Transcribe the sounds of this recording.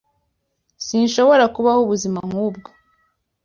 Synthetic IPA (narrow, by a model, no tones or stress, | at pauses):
sinʃo̞βo̞ɾakuβahuβuzimaŋ̥huːb̚ɡo